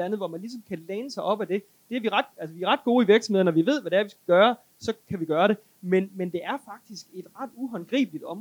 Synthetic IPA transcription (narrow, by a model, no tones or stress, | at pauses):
ænð̩ˠʋɒmænlisɒ̽mkʰæleːnəsɑ̈ɪʔɒ̽b̥æd̥e̝ | d̥e̝æɐʋiʁɑ̈d̥ælsəʋiæɐʁɑ̈d̥̚ɡ̥o̝ːiʋiɐɡ̥sm̩he̝ðˠɐnɒʋiʋe̝ð̰ˠʋæɾeæɐʋisɡ̥æɡ̥ɶːɐ | sɒ̽kʰæʋiɡ̥ɶːɐɾe̝ | menmend̥e̝ʔæɐfɑ̈ɡ̥̚d̥isɡ̥e̝d̥ʁɑ̈d̥uɦɒnɡ̥ʁḭːb̥əlid̥ɒ̽m